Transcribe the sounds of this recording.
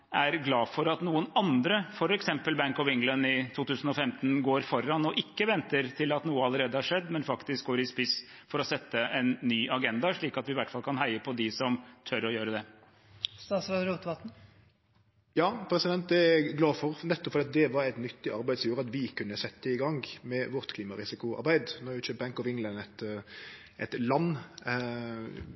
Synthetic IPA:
æɾɡlɑːfɔɾɑt̪nuːənɑnd̪ɾəfɔɾɛksɛmpəlbæŋkɔʋɪŋlənɪt̪ʰuːt̪ʉːsən̩ɔfɛmt̪ən̩ɡoːɾfɔɾːɑnɔʔɪkːəʋɛnt̪əɾt̪ʰɪlɑt̪nuːəɑləɾeːd̪əhɑʂɛd̪ːmɛnfɑkt̪ɪsk̚ɡoːɾɪspɪsfɔɾɔsɛt̪ːəʔɛnːyːʔɑɡɛnd̪ɑʂɭiːkɑt̪ʋɪʋæʈfɑlkʰɑnhæɪəpʰɔd̪ɪsɔmt̪ʰœɾɔjøːɾəd̪ɛ | st̪ɑːsɾɑd̪ɾuːt̪ʋɑt̪n̩ | jɑːpʰɾɛsɪd̪ɛnt̪̚d̪ɛɡlɑːfɔɾnɛt̪ːɔpfɔɾɛɑt̪̚d̪ɛʋɑɾɛɪt̪nʏt̪ːɪɑɾbæɪsjuːɾəɑt̪ʋɪkʰʉnːəsɛt̪ːəɪɡɑŋɡmɛʋɔɾt̪kʰliːmɑɾɪsɪkʊɑ̰ɾbæɪd̪nɔjʊt͡ʃøːp̚bæŋkɔʋɪŋlɛnɛt̪ | ɛt̪lɑnː

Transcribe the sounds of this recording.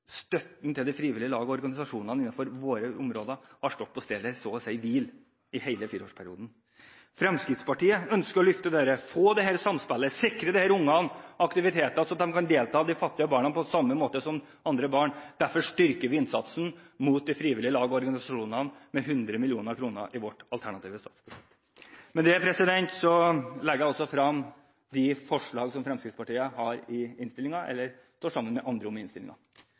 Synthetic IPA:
st̪œt̪n̩t̪ɪld̪ɪfɾiːʋɪlɪəlɑːɡɔɔɾɡɑnɪsɑʂuːnənəɪnːɑfɔɾʋoːɾəʊmɾoːd̪əhɑʂʈɔt̪̚ːpʰɔst̪eːd̪əsɔsæɪʋiːl | ɪhæɪləfiːɾəoːʂpʰæɾɪuːd̪n̩ | fɾɛmskɾɪt̪spʰɑʈiːəœnskəɾɔlʏft̪əd̪eːɾəfoːd̪ɛɦæːɾsɑmspælːəsɪkɾəd̪ɛhæːɾʊŋːɑnɑkt̪ɪʋɪt̪ʰeːt̪sɔɑt̪̚d̪ɛmkɑnd̪eːlt̪ʰɑːd̪ɪfɑt̪ːɪəbɑːɳɑnpʰɔsɑmːəmoːt̪əsɔm | ɑnd̪ɾəbɑːɳd̪̥æɾfɔʂʈʏɾkəɾʋɪɪnsɑt̪sn̩muːt̪̚d̪ɪfɾiːʋɪlɪəlɑːɡɔɔɾɡɑnɪsɑʂuːnɑnmɛɦʉnd̪ɾəmɪlɪuːnəɾkʰɾuːnə̰ɾʔɪʋɔʈɑlt̪ʰæɳɑt̪iːʋəst̪ɔfpʰɔʂɛt̪ | mɛnd̪ɛpʰɾɛsɪd̪ɛnt̪sɔlɛɡːjæɔlsɔfɾɑm | d̪ɪfɔʂɭɑːɡsɔmfɾɛmskɾɪt̪spɑʈiːəhɑɾɪɪnst̪ɪlɪŋɑʔɛ̰lːəɾ | st̪uːʂɑmːənmɛʔɑnd̪ɾəʊmːɪnst̪ɪlɪ̰ŋɑ̰

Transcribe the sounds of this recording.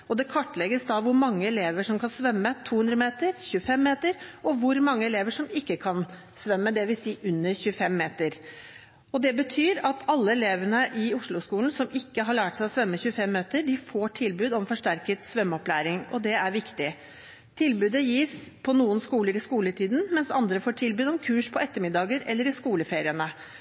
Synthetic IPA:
ɔd̪ɛkʰɔʈːlɛɡəsd̪ɑʋʊɾmɑŋːəɛleːʋəʂɔmkʰɑnsʋœmːət̪ʰuːhʉnd̪ɾəmeːt̪əɾçʉəfɛmːeːt̪əɾɔʋʊɾmɑŋːəɛleːʋəʂɔmɪkːəkʰɑn | sʋɛmːəd̪ɛʋɪsiːʔʉnːəɾçʉəfɛmːeːt̪əɾ | ɔd̪ɛbət̪ʰyːɾɑt̪ʰɑlːəɛleːʋəɳəʔɪʊʂlʊskuːln̩sɔmɪkːəɦɑɭæːʈsæɪɔsʋœmːəçʉəfɛmːøːt̪əɖɪfoːʈʰɪlbʉːd̪ɔmfɔʂʈæɾkət̪sʋœmːɔplæːɾɪŋʔɔd̪ɛæɾʋɪkt̪ɪ | t̪ʰɪlbʉːd̪əjiːspʰɔnuːənskuːləɾɪskuːlət̪ʰiːd̪n̩mɛnsɑnd̪ɾəfoːʈʰɪlbʉːd̪ɔmkʰʉːʂpʰɔɛt̪ːəɾmɪd̪ɑːɡəɾɛlːəɾɪskuːləfeːɾɪənə

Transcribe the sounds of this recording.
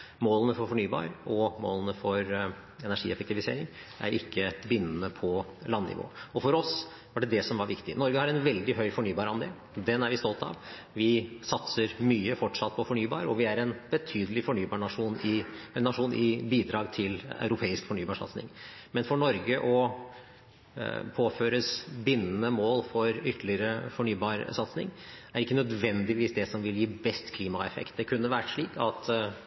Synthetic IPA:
moːlənəfɔɾfɔɳyːbɑ̰ːɾʔɔmo̰ːlənəfɔɾ | ɛnæʂḭːɛfək̚t̪ɪʋɪseːɾɪŋ | ʔæ̰ɾʔɪkːəbɪnːən̩əpʰɔlɑnːɪ̰ʋo̰ːɔfɔɾɔs | ʋɑɖɛd̪ɛsɔmʋɑɾʋɪkt̪ɪnɔɾɡəhɑɾɛnʋɛld̪ɪɦœʏfɔɳyːbɑːɾəɑnd̪ḛːl | d̪ɛnæɾʋɪst̪ɔlt̪ɑ̰ʋ | ʋɪsɑt̪səɾmyːəfɔʈʂɑt̪̚ːpʰɔfɔɳyːbɑ̰ːɾəɔʋɪæɾɛnbət̪ʰyːd̪əlɪfɔɳyːbɑːɳɑʂuːnɪɛnːɑʂuːnʔɪbiːd̪ɾɑːɡt̪ʰɪla̰ʉɾʊpʰeːɪskfɔɳyːbɑːʂɑ̰t̪snɪ̰ŋmɛnfɔɳɔɾɡəʔɔ | pʰoːføːɾəsbɪnːənəmoːlfɔɾʏt̪ːlɪɾəfɔɳyːbɑːɾsɑt̪snɪ̰ŋæɾɪkːənœd̪ʋɛnd̪ɪʋiːsd̪ɛsɔmʋɪljiːbɛst̪kʰliːmɑɛfɛ̰kt̪̚d̪ɛkʰʉnːəʋæːʈʂɭiːkɑt̪

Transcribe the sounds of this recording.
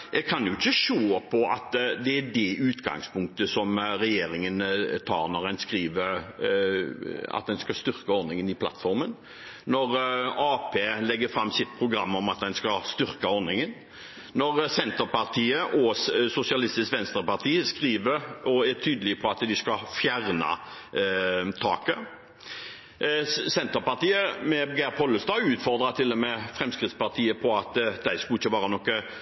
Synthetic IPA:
jɛkʰɑnjʊɪçːəʃoːpʰɔɑ̰t̪d̪ɛæd̪ɛʔʉːt̪ɡɑ̰ŋspʰʊŋk̚t̪əsɔmɾɛjeːɾɪŋənt̪ʰɑ̰ːɾnɔɾɛnskɾiːʋəɾ | ɑ̰t̪̚d̪ɛnskɑst̪ʏʁkəɔɾnɪŋənɪpʰlɑ̰t̪fɔɾmən | nɔɾɑːpʰeːlɛɡːəfɾɑmːsɪt̪̚pʰɾʊɡɾɑmːɔmɑt̪̚d̪ɛnskɑst̪ʏɾkəɔɾnɪŋən | nɔʁsɛnt̪əɾpɑʁt̪ʰiːəʔɔsʊsɪɑlɪst̪ɪskʋɛnst̪ɾəpɑt̪ʰiːəskʁiːʋəɾɔæt̪ʰyːd̪əlɪəpʰɔɑt̪d̪ɪskɑfjæɾnɑ̰ | t̪ʰɑ̰ːkə | sɛnt̪əpɑt̪iːəmɛɡɛɾpʰɔlːəst̪ɑːɡʉːt̪fɔɾd̪ɾɑt̪ʰɪlːɔmɛfʁɛmskʁɪt̪spɑɾt̪ʰiːəpʰɔɑt̪d̪æɪskʉlɪçːəʋɑːɾənɔkːə

